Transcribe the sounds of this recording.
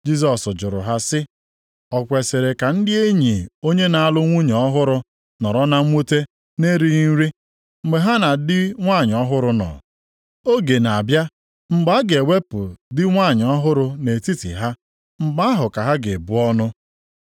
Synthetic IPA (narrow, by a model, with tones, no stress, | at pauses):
d͡ʒi˦sɔ˨sd͡ʒʊ˨ɾʊ̰˨ɦa˦sɪ˦ | ɔ˨kʷe˨se˨ɾe˨ka˨n̩˦dɪ˦e˦ɲi˨o˦ɲe˦na˨a˦lʊ˦ŋʷu˦ɲ˨ɔ˦ɦʊ˦ɾʊ˦ | nɔ˨ɾɔ˦na˦u˦te˦ | ne˦ɾi˦ɾi˦ | ŋ͡m̩˨ɡ͡be˨ɦa˦na˨dɪ˦ŋʷa˦˨ɲ˨ɔ˦ɦʊ˦ɾʊ˦nɔ̰˨ | o˦ɡe˨na˨bja˦ | ŋ͡m̩˨ɡ͡ba˨˦a˦ɡe˨we˦pʊ˨dɪ˦ŋʷa˦˨ɲ˨ɔ˦ɦʊ˦ɾʊ˦ne˨ti˦tḭ˨ɦa˦ | ŋ͡m̩˦ɡ͡ba˦a˦ɦʊ˨ka˨ɦa˦ɡe˨bu˦ɔ˦nʊ˦